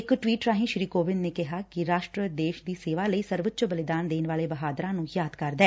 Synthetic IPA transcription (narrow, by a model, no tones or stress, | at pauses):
ɪkʈʋiːʈɾaːɦĩʃɾiːkoːʋɪnneːkɪɦaːkiɾaːʃʈɾəd̪eːʃd̪iːseːʋaːləiːsəɾʋət̪ːt͡ʃəbəlɪd̪aːnd̪eːnʋaːleːbəɦaːd̪ɾãːnũːjaːd̪kəɾd̪ɛː